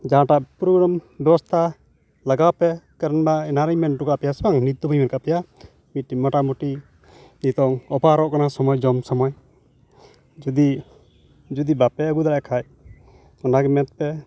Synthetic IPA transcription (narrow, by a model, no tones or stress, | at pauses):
d͡ʒaɦãʈaʔpɾɔɡɾambɛbɔst̪ʰa | laɡawpɛkaɾənbaɛnaɾijmɛnʈukaʔpɛjasɛbaŋnit̪ːɔbajmɛnkapɛja | mit̪̚ːimɔʈamuʈi | nit̪ɔŋɔpaɾɔʔkanasɔmɔjd͡ʒɔmsɔmɔj | d͡ʒud̪i | d͡ʒud̪ibapɛəɡud̪aɾaʔkʰaj | ɔnaɡɛmɛt̪̚pɛ